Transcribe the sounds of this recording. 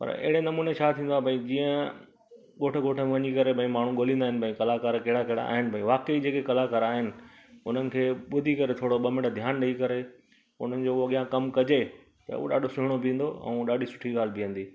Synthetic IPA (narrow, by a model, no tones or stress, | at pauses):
pɐ̰ɾɪ̰ɦɪɽenɐmuːnet͡ɕʰat̪ʰĩːnd̪abʱɐĩd͡ʑĩːə̃ | ɠoːʈʰɡoːʈʰəmeʋɐɲikɐɾebʱɐ̃ĩmaːɳ̤ũɠoːlĩːnd̪aːɦɪ̃nɪpɐ̃ĩkɐlakaːɾkɐɦɪɽakɐɦɪɽa̰a̰ːɦɪnɪ̆bʱɐ̃ĩʋaːkeid͡ʑeːkekɐlakaːɾaːɦɪnɪ̆ | ʊn̤ənɪ̆kʰeːɓʊd̪ʱikɐɾet̪ʰoːɽoɓɐmɪɽd̪ʱjaːnɗɐikɐɾe | ʊ̰n̤ənɪ̆d͡ʑoːɐɠijãkɐmkɐd͡ʑe | t̪ɐ̰ṵɗa̰ːɖʱosʊɦɪɽ̃obĩːn̆d̪oɛ̰̃ːɗaːɗʱisʊ̥ʈʰiɠaːl̤bɪə̃nd̪iː